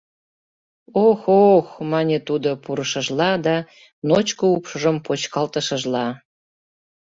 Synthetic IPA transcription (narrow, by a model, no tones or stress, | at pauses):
oxoxmɑnʲet̪ud̪opuɾəʃəʒlɑd̪ɑ | not͡ɕkoupʃəʒəmpot͡ɕkɑlt̪əʃəʒlɑ